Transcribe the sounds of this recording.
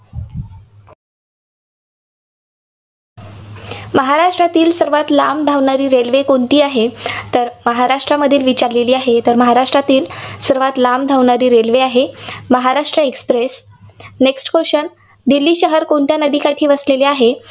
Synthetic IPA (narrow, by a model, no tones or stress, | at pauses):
məɦaɾaʂʈɾat̪iːlsəɾʋat̪lamd̪ʱaʋɳaɾiːɾelʋekoɳt̪iːaɦet̪əɾməɦaɾaʂʈɾaməd̪ʱiːlʋit͡ɕaɾleliːaɦet̪əɾməɦaɾaʂʈɾat̪iːlsəɾʋat̪lamd̪ʱaʋɳaɾiːɾelʋeaɦeməɦaɾaʂʈɾəekspɾes | neksʈkoɕən | d̪ilːiːɕəɦəɾkoɳt̪janəd̪ʱiːkaʈʰiːʋəsleleaɦe